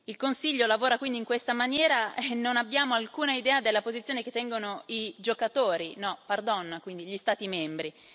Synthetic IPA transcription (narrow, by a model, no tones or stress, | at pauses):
ilkonsiʎːolavoːɾakwind̪iŋkwest̪amanjɛːɾaenːonabːjaːmoalkuːnaid̪ɛːad̪elːapozit̪sːjoːneket̪ːɛŋɡonoid͡ʒokat̪oːɾinɔpard̪ɔnːakwind̪iʎist̪aːt̪imɛmbɾi